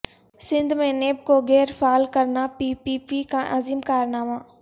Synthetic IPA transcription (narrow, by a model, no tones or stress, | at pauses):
sɪ̃nd̪ʱmẽneːb̚koɣɛːɾfaːlkɐɾnapiːpiːpikʰãːʔaziːmkaːɾnaːmaː